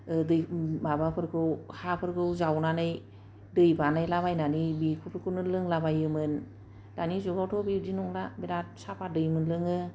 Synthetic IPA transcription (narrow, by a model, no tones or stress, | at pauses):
dɯjmabapʰɯɾkʰɯwhapʰɯɾkʰɯwzawnanɯj | dɯjbanajlabajnanibikʰupʰɯɾkʰɯnɯlɯŋlabajɯmɯn | danizuɡawtʰɔbidinɔŋlabiɾat̚sapʰadɯjmɯnlɯŋɯ